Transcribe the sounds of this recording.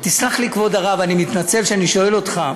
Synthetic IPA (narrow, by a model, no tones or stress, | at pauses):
t̪islaχlikvo̞d̪aʁavanimit̪nat͡se̞vʃeaniʃo̞e̞lo̞t̪χa